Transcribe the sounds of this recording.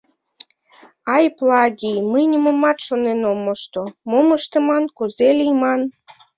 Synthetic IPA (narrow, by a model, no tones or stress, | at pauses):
ɑjplˠɑɡʲijməjnʲəməmɑt̪ʃonenomːoʃt̪omoməʃt̪ə̆mɑnkuzelʲijmɑn